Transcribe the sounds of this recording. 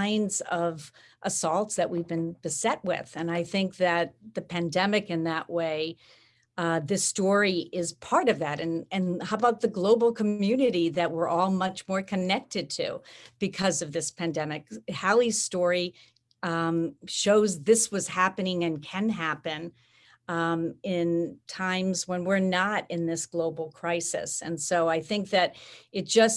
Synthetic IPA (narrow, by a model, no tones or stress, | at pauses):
ɪ̃nzʌv | ʔəsɔlˠtsðɨʔ̚wivbɨ̃nb̥ɨsɛt̚wɪ̰ð̥ɨ̃naɪθɪ̃ŋk̚ðɨt̪̚ðɨpʰæ̃ndɛmɨkɨ̃nðəʔweɪ | ðɪstɔɹiɪz̥pʰɑɹɾʌvðæɾɨ̃nɨ̃nhaʊəbaʊt̪̚ðɨɡloʊbl̩ˠkʰəmjʉnɨɾiðɨt̚wə˞ʔɔlˠmʌt͡ʃmɔɹkʰɨnɛk̚tɨd̚tʰʉ̰b̥ɨkʰʌzʌvðɪspʰæ̃ndɛmɨkhælˠiz̥stɔɹi | ʃoʊzðɪswʌz̥hæpɨnɪ̃ŋɨ̃nkʰɨ̃nɦæpɨ̃n | ɪ̃ntʰãɪ̃mzwə̃nwɪɹnəɾɪ̃nðɪsɡ̥loʊbl̩ˠkʰɹ̥aɪsɨ̰sɨ̰̃nsoʊaɪθɪ̃ŋk̚ðɨɾɨt̚d̥ʒ̥ʌs